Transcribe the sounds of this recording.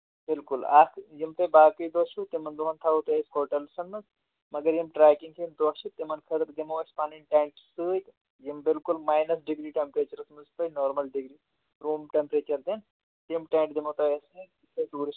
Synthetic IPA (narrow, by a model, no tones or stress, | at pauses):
bɪlkʊlaːkʰjimt̪ɐbaːkɐjd̪oːʃut̪imɐnd̪oɦɐnt̪ʰaːut̪oeskoɾʈɐlsɐnmɨz | mɐɡɐɾjimʈɾaːkiŋɡkʰiimd̪oːʃit̪imɐnkʰɐt̪ɾd̪imɐɐspaːninʈẽːɳʈsɨːjk | jimbɪlkulmaːjnɐsɖiɡɾiːʈempɾeːt͡ʃɐɾsmɨzpɐjnoːɾmɐlɖiɡɾi | ɾuːmʈempɾeːt͡ʃɐɾd̪in | t̪imʈẽːɳʈd̪imot̪oesɨ | set̪uːɾi